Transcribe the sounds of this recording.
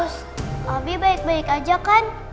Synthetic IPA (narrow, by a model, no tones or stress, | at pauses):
ʊs | abibaɪk̚baɪkad͡ʒakan